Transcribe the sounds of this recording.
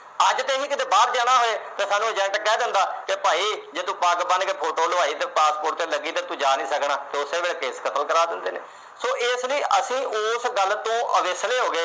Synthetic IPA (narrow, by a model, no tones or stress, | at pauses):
əd͡ʒt̪eːɦĩːkɪt̪eːbaːɾd͡ʒaːñaːɦoːeːt̪eːsaːnũːəd͡ʒɛ̃ːɳʈkɛːd̪ɪnd̪aːkɪpaːiːd͡ʒeːt̪ũːpaːkbənkepʰoːʈoːlʋaːiːt̪eːpaːspoːʈt̪eːləɡiːt̪eːt̪ũːd͡ʒaːnĩːsəknaːt̪eːʊseːʋeːlkeːskət̪əlkəɾaːd̪ɪnd̪eːneː | soːʔɪsləiːʔəsĩːʔʊːsɡəlt̪õːʔəʋɪsleːɦoːɡeː